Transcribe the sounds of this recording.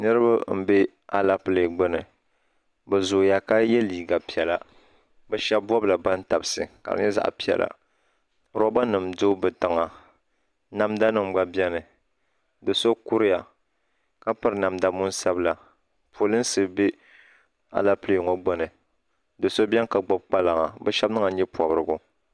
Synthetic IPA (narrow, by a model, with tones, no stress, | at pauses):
nɨ˦ɾɨ˦ba˦m̩˦be˦ | a˨la˦ple˨ɡ͡bo˦nɨ˨ | bɛ˨zʊ˨ja˨ka˦jɛ˦liː˨ɡa˨pi˨ɛ˨la˦ | bɛ˦ʃɛ˦bbɔ˦bla˨ba˦n˦ta˨bsɨ̰˨ka̰˨ɾɨ̰˨˦ɲɛ˦za̰˨ʔpi˨ɛ̰˨lʔa̰˨ | ɾo˦ba˦nɨ˨mdo˦bɨ˨ta˨ŋa˨ | na˦mda˦nɨ˨m˨ɡ͡ba˦bɛ˦nɨ˨ | dɨ˨so˦ku˦ɾɪ˦ja˨ | ka˦pɨ˦ɾɨ˨˦na˨mda˨˦mʊ˦nsa˦bla˨ | pʰo˨lɨ˦n˦sɨ˨be˦ | a̰˨la˦pleː˨ŋo˦ɡ͡bo˨nɨ˨ | dɨ˨so˦bɛ˦ŋka˨ɡ͡bɔ˦b̚k͡pa˦la˨ŋa˨bɛ˦ʃɛ˦b̚nɨ˦ŋa˨ɲɛ˦pɔ˨bɾɨ˨ɡʊ˨